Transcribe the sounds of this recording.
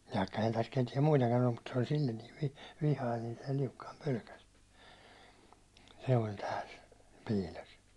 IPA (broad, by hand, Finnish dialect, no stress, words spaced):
ʋɑikːɑ ehæn tæs ketiɛm muitɑkɑn olːu mut se olʲ silʲːen niːʋ ʋi ʋihɑin ni se liukːɑim pølkæs se olʲ tæːl piːlʲos